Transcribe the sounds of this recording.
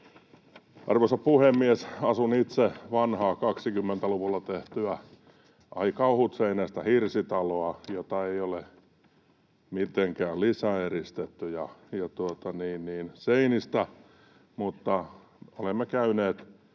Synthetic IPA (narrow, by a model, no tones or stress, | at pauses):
ɑ̰rʋosɑpuhemːiesɑsunit̪seʋɑnhɑːkɑksikymːent̪æluʋulːɑt̪eht̪yæ | ʔɑikɑuhut̪seineːst̪æhirsit̪ɑloɑjot̪ɑeiole | mit̪eŋkæːllisæerist̪et̪ːyjɑjɑt̪uot̪ɑniːnniːnseinist̪æ | mut̪ːɑ | olemːekæyneːt̪